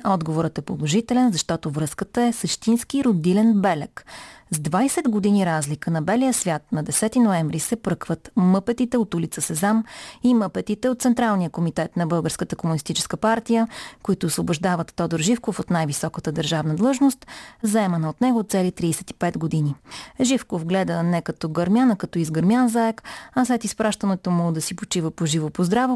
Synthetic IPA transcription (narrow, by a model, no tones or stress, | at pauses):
ɔd̪ɡovoɾət̪ɛpolˠoʒit̪ɛlɛnzɐʃt̪ɔt̪ovɾɤskət̪əɛsəʃt̪inskiɾod̪ilɛnbɛlɛkzd̪vajsɛd̪ɡod̪iniɾazlikənɐbɛlijəsvʲjat̪nɐd̪ɛsɛt̪inoɛmvɾisɛpɾɤkvət̪mɤpɛt̪it̪ɛot̪ulit̪səsɛzamimɤpɛt̪it̪ɛot̪t̪sɛnt̪ɾalˠnijəkomit̪ɛt̪nɐbɤlˠɡəɾskət̪əkomʊnist̪it͡ʃɛ̥skəpaɾt̪ijəkoit̪ʊːsvoboʒd̪avət̪ːɔd̪oɾʒifkofot̪najvisɔkət̪əd̪əɾʒavnəd̪lˠɤʒnost̪zɐɛmɐnəot̪nɛɡot̪sɛlit̪ɾiːsɛt̪i̥pɛt̪ɡod̪iniʒifkovɡlɛd̪ənɛkɐt̪ɔɡəɾmʲjanəkɐt̪ɔizɡəɾmʲjanzaɛkɐslɛt̪ispɾʔaʃt̪ənɛt̪omʊd̪ɐsipot͡ʃivəpoʒivopozd̪ɾavo